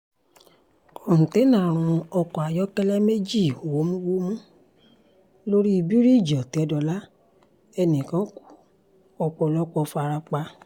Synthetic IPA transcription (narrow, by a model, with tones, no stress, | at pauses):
ɔ̃˨te˨˦nã˦˨ɾ̃ũ˨˧ɔ˧kɔ˨a˨jɔ˦kɛ˦lɛ˦me˦d͡ʒi˦˨o˨wo˨˦mũ˦wo˦mũ˦ | lo˦ɾi˦i˧bi˦ɾi˦˨d͡ʒɔ˨ti˨˦ɔ˧dɔ˧la˦ | ɛ˧nĩ˨kã˨˦ku̥˦ | ɔ˧k͡pɔ˧lɔ˦k͡pɔ˧fa˧ɾa˧k͡pa˧